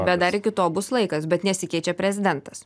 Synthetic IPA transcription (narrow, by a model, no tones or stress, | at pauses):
bʲɛd̪ɐɾɪkʲɪt̪oːbʊslˠɐɪkɐsbʲɛt̪nʲɛsʲɪkʲɛɪt͡ʃʲɛpʲɾʲɛzʲɪd̪ʲɛnt̪ɐs